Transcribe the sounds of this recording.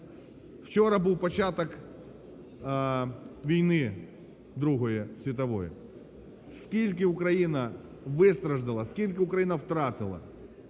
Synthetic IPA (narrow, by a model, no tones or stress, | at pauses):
w̥t͡ʃɔɾɐbuwpɐt͡ʃat̪ɐk | ʋʲijnɪ | d̪ɾuɦɔjɛsʲʋʲit̪̬ɐʋɔjɛ̰ | skʲilʲk̬ɪʊkɾɐjinɐ | ʋɪst̪ɾɐʒd̪ɪlˠɐskʲilʲkɪʊkɾɐjinɐwt̪ɾɑt̪ɪlˠɐ̰